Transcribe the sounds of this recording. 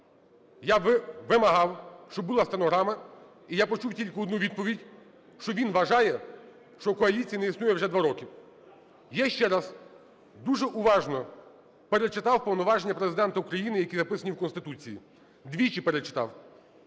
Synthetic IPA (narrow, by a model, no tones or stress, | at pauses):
jaʋɪmɐɦɑwʃt͡ʃɔbbʊlˠast̪enɔɦɾamɐ | ijapɔt͡ʃuwtʲilʲkɪɔd̪nuʋʲid̪̚pɔʋʲidʲ | ʃt͡ʃɔʋʲinʋɐʒɑjɛ | ʃt͡ʃɔkɔɐlʲit͡sʲijɐnɛisnujɛwʒɛd̪ʋaɾɔkʲiw | jɛʃt͡ʃɛɾaz̥ | d̪uʒɛʔuʋɑʒnɔ | peɾet͡ʃɪt̪ɑwpɔwnɔʋɑʒenʲːɐpɾezɪd̪ɛnt̪ɐukɾɐjinɪjɐkʲizɐpɪsɐnʲiwkɔnst̪ɪt̪ut͡sʲijḭ | d̪ʋʲit͡ʃipeɾet͡ʃɪ̥t̪ɑ̰w